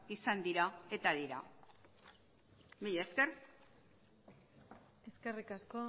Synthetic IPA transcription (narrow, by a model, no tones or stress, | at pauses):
isand̪iɾae̞t̪aðiɾa | miʎeske̞r | e̞ske̞rikasko